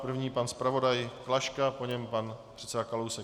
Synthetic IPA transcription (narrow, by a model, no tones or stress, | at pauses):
pr̩vɲiːpanspɾavo̞dajklaʃkapoɲɛmpan | r̥ɛtt͡ssɛdakalowsɛ